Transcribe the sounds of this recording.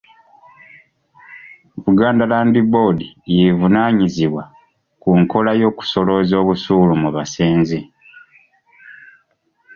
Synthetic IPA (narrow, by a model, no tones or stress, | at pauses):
βuɡaːndalaːndibo̞dijevunaːɲiziβwa | kuŋko̞lajo̞ːku̥so̞lo̞zo̞ːβusuːlumuβaseːnze